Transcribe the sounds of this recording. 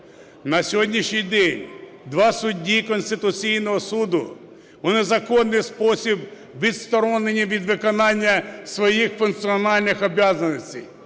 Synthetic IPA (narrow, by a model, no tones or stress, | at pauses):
nɐsʲɔɦɔdʲnʲiʃnʲijd̪ɛnʲ | d̪ʋɑsʊdʲːikɔnʲsʲt̪ɪt̪ʊt͡sʲijnɔɦɔsud̪ʊ | ʊnɛzɐkɔnːɪjspɔsʲib | ʋʲid̪st̪ɔɾɔnenʲiʋʲid̪ʋɪkɔnɑnʲːɐsʋɔjixfʊnk̪̚siɔnɑlʲnɪxɔbʲjazɐnɔsʲtʲij